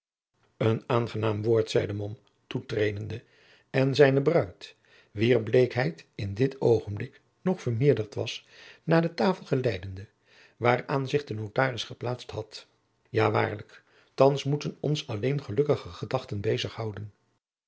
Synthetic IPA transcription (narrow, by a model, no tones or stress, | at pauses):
ənaːnχənaːmʋʊːɹtsɛjdəmɔm | tutrejdəndə | ɛnzɛjnəbrœɥt | ʋiːɹblejkɦɛjtɪndɪtowχənblɪk | nɔχfəɹmɪːɹdəɹtʋɑsnaːdətaːfəl̩ˠχəlɛjdəndə | ʋaːraːnzɪχdənowtaːrɪsχəplaːtstɦɑt | jaːʋa̰ːɹlək | tɑnsmutənɔ̰nsɑlejnχəlɵkəχəχədɑχtənbejzəχɦɑwdən